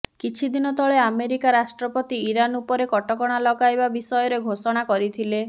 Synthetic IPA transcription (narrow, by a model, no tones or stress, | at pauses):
kit͡ʃʰid̪inɔt̪ɔɭeameɾikaɾasʈɾɔpɔt̪iːɾanupɔɾekɔʈɔkɔɽ̃alɔɡajbabisɔjɔɾeɡʱosɔɽ̃akɔɾit̪ʰile